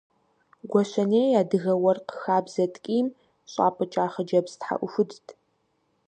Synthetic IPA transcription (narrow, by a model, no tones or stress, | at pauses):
ɡʷɔɕɐneːaːdɨɣɐwɐrqəxaːbz̥ɐtʼkʼiːm | ɕʼa̰ːpʰʼɐt͡ʃʼaːχɐd͡ʒɐbstħa̰ʔʷʊfʷʊdtʰ